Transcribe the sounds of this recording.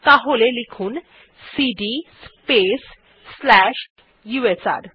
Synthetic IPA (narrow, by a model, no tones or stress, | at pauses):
t̪aɦolelikʰun | siɖispes | slɛʃ | juesa̰ɾ